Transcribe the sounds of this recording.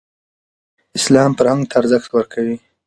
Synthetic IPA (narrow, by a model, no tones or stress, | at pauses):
ɪslɑmpəɾhaŋɡt̪ʰaːɾzəxt̪wəɾkʰawi